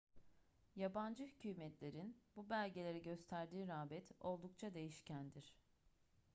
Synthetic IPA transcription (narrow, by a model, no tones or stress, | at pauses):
jaband͡ʒɯhycʰyːmɛt̪lʲe̞ɾinbubælʲɟe̞lʲe̞ɾɛɟø̞st̪ʰæɾd̪iːɾaːbɛt̪o̞lˠd̪ukt͡ʃʰad̪e̞jiʃcænd̪iɾ̥